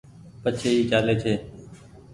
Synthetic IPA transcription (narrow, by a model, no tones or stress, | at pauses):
pət͡ʃʰeːiːt͡ʃaːleːt͡ʃʰeː